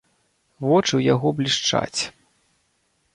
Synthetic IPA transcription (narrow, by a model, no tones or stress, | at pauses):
vɔt͡ʂɨwjaɣɔblʲiʂt͡ʂa̰t͡sʲ